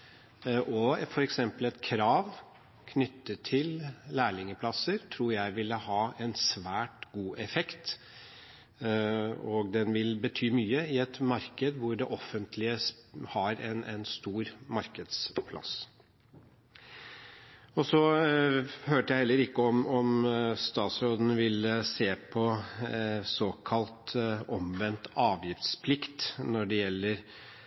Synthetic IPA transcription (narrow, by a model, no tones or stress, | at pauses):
ʔɔfɔɾɛksɛmpəlɛt̪kʰɾɑːʋ | kʰnʏt̪ːət̪ʰɪllæːɭɪŋəpʰlɑsəɾt̪ʰɾuːɾjæɪʋɪlːəhɑːɛnsʋæːʈɡuːʔɛfɛkt̪ | ɔɡd̪ɛnʋɪlbət̪ʰyːmyːəɪɛt̪mɑɾkəd̪ʋʊɖɛʔɔfːənt̪ʰlɪəshɑɾɛnʔɛnst̪uːɾmɑɾkəd̪spʰlʔɑ̰s | ɔsɔ | høːʈəjæɪhɛlːəɾɪkːəɔmɔmst̪ɑːt̪sɾoːd̪n̩ʋɪlseːpʰɔ | soːkʰɑlt̪ɔmʋɛnt̪ɑːʋjɪft̪spʰlɪkt̪nɔɖɛjɛlːəɾ